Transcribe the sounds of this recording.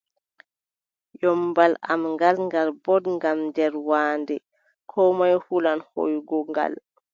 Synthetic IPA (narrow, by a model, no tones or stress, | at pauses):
jɔmbala̰mŋɡalŋɡaɾbɔdŋɡamdɛɾwaːndɛ | kʰɔmajhulanho̰jɡɔŋɡa̰l